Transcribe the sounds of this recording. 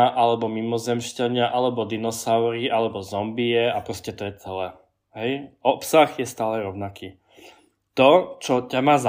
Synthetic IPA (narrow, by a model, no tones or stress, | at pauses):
aʔalɛbɔmimɔzɛmʃcaɲɪaʔalɛbɔd̪inɔsaʊɾiʔalɛbɔzɔmbiɛapɾɔscɛt̪ɔjɛt͡sɛlɛː | ɦɛjʔɔpsaxjɛst̪aːlɛɾɔʊnakiː | t̪ɔt͡ʃɔcamaːz